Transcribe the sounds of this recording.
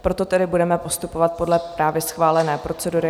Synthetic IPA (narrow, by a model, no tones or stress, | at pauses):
pɾo̞t̪o̞t̪ɛdɪbudɛmɛpo̞st̪upovat̪̚po̞dlɛpɾaːvjɛsxvaːlɛnɛːpɾo̞t͡sɛduɾɪ